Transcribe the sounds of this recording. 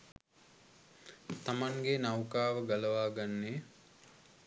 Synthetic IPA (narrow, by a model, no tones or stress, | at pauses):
t̪amaŋɡenawkaːʋəɡaləʋaːɡanːeː